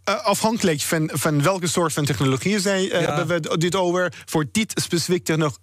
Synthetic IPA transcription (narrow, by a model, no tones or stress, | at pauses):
ʔɑfhɑŋkələkfɑnfɑnʋɛlˠkəsoːɹtfɑntɛχnoloχiəzɛjɦɛbənʋədɪtowvəɹv̥oːɹdɪtspesəfik̚tənɔχ